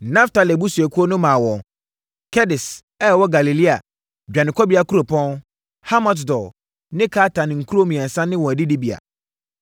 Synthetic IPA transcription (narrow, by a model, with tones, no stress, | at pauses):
nã˦fta˨lɪ˨bu˦su˨ɛ˨kʰu˦ɔ˦nʊ̃˦mã˨wɔ̃˨ | kʰɛ˦dɪ˨s | ɛ˦ɛ˨wɔ˦ɡa˨li˨li˦a̰˨ | d͡ʑᶣa˨nɪ̃˨kʰɔ˦bi˨˦a˨kʰu˦ɾo˨pʰɔ̃˦n | ha˦mɔ˨t̬dɔ˨ | nɪ̃˦kʰa˦tã˨nɪ̃˨ŋ̩˨kʰu˦o˦mĩ˨ɛ˨sã˦nɪ̃˦wɔ̃˨dɪ˦di˦bi˨a̰˨